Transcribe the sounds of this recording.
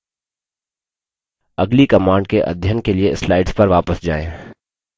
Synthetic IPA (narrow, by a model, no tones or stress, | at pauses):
ɐɡlikɐmãːɳɖ̚keʔɐ̰d̪ʱjənkelieɪslaːɪɖspɐɾʋaːpəsd͡ʒa̰ːẽː